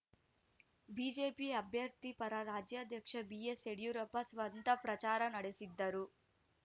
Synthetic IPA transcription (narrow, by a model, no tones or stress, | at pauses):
biːd͡ʒeːpiɐbʱjɐɾt̪ipɐɾaɾaːd͡ʒjaːd̪ʱjɐkʂɐbijeseɽjuɾɐpːɐsʋɐnt̪ɐpɾɐt͡ʃaːɾɐnɐɽesid̪ːɐɾu